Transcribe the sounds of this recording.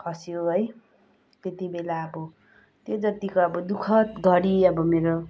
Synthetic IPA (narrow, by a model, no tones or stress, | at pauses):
kʰʌsijoɦʌj | t̪et̪ibelaʌbʌ | t̪jod͡zʌt̪ikoʌbʌd̪ukʰʌt̪ɡʱʌɽiʌbʌmeɾo